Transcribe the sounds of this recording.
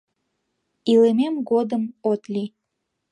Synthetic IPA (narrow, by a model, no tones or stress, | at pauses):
ilememɡod̪əmot̪li